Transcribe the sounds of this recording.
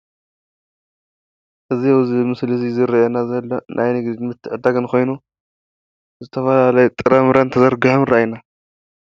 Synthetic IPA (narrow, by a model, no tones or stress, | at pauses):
ʔɨzijawzimɨslizizɨɾɐjonazɐlːonʔajnɨɡd̪imɨt̪ʰːɨʕɨd̪aɡɐnkʰo̞jnu | zɨt̪ʰɐfɐlalɐjɛt̪ʼɨɾɐmɾɐnt̪ʰɐzɐɾɡɨħɨmɾajina